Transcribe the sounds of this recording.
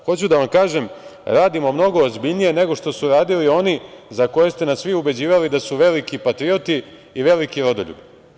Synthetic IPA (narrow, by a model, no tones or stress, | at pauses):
xo̞t͡ɕud̪aʋamkaːʒemɾaːd̪imo̞mno̞ɡo̞ːzbiʎnije̞ne̞ɡo̞ʂt̪o̞suɾaːd̪ilio̞nizako̞je̞st̪e̞nasʋiube̞d͡ʑiːʋalid̪asuʋe̞likipat̪ɾio̞t̪iː | ʋe̞likiɾo̞d̪oʎṵbi